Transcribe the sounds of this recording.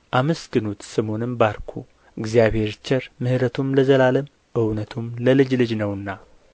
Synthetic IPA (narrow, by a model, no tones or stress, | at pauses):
ʔaməskɨnut̪sɨmo̞nɨmbaɾkʰu | ɨɡzijaβhe̞ɾt͡ʃʰɛɾmɨhɾət̪ʰumləzəlaləm | ʔɨwnət̪ʰumləlɨd͡ʒlɨd͡ʒnəwɨnːa